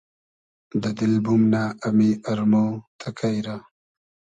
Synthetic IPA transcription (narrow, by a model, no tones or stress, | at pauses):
d̪əd̪ɪlbumnaːmiɐɾmot̪ʰakʰajɾa